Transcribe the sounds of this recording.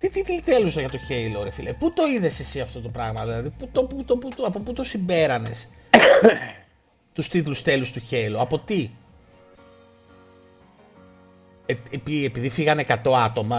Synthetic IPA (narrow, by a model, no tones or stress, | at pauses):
t̪it̪it̪lit̪elusɐʝɐt̪o̞çe̞iloɾefilʔeput̪o̞iðe̞sesiɐft̪o̞t̪o̞pɾɐɣmɐðilɐðiput̪oput̪opuɐpoput̪o̞simbe̞ɾɐne̞s | t̪ust̪it̪lust̪e̞lust̪uçe̞iloɐpo̞t̪i | eepiepiðifiɣɐne̞kɐt̪o̞ɐt̪o̞mɐ